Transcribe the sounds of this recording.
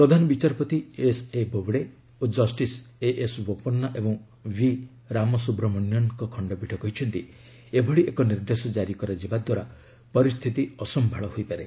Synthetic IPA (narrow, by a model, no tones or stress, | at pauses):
pɾɔd̪ʱanɔbit͡ʃaɾpɔt̪iesebʱobɽe | ud͡ʒɔsʈiseʔesbopɔnːaʔebɔŋ | wi | ɾamɔsubɾɔmɔnjɔnkɔkʰɔɳɖɔbʱiʈʰɔkɔɦit͡ʃʰɔnt̪i | ebʱɔɽiʔekɔniɾd̪esɔd͡ʒaɾikɔɾad͡ʒibad̪waɾa | pɔɾist̪ʰit̪iɔsɔmbʱaɭɔɦojpaɾe